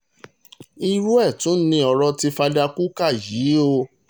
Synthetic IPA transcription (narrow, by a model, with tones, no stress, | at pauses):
i˧ɾu˦ɛ˦˨tũ˨˦n̩˦nĩ˧ɔ˧ɾɔ˧ti˧fa˧da˧ku˦ka˦˨ji˨˦o˧